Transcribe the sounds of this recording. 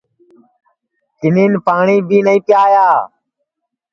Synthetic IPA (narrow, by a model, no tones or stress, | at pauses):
t̪ɪneːnpaːɳiːbiːnəĩːpɪjaːjaː